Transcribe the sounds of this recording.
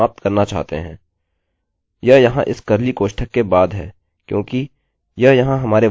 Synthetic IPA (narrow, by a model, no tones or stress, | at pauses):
aːp̚t̪kɐɾnat͡ʃa̰ːɦt̪ḛɦɛ̰̃ː | jɐɦjɐɦãʔɪskɐɾlikoːʃʈʰəkːebaːd̪ɦɛ̰ː | kjõːki | jɐɦjɐɦãɦɐmaːɾe